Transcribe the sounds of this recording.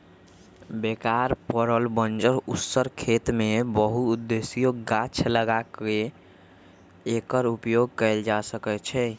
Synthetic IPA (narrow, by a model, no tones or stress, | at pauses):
bekaɾpəɾəlbənd͡ʒəɾusəɾkʰet̪mebəɦuud̪ːesijoɡat͡ʃʰləɡake | kəɾupjoɡ̚kɛɪld͡ʒasəkɛt͡ʃʰɛ